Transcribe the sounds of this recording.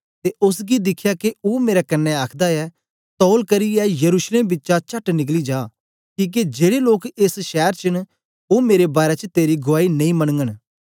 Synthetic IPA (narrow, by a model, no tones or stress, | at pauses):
t̪eʔʊs̬ɡid̪ɪkʰːjakeoːmeːɾakɐnːɛaːkʰd̪aɛ | t̪ɔːlkɐɾiɛjɐɾuːsleːmbɪtːʃat͡ʃɐʈnɪk̬lid͡ʒaː | kiːk̬ed͡ʒeːɽeloːkesʃɛːɾt͡ʃɪñ | oːmeːɾebaːɾɛt͡ʃt̪eːɾiɡʊaːinɐ̃ĩmɐɽ̃ŋɡəɽ̃